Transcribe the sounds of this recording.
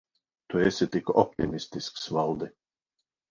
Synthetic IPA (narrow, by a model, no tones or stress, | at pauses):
t̪uɛsʲɪt̪ikɔpt̪ḭmist̪isksvalˠd̪ɪ